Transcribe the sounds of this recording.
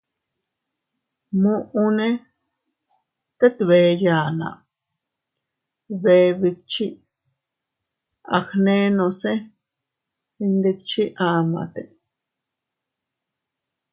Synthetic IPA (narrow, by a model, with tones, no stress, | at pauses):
mũ˦ʔũ˦nẽ˦ | t̪e˦t̪βeː˨ja˨nã̰˨ | βe˧˦βi˧t͡ʃi˦ | a̰˨xnẽ˦nõ˨˧sẽ˦ | i˧nd̪e˧k̚t͡ʃi˦ʔa˧mã̰˨t̪e˨